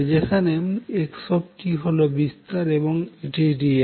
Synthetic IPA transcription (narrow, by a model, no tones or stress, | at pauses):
d͡ʑekʰanemekʃɔb̚ʈiɦolobist̪aɾeboŋeʈeʈie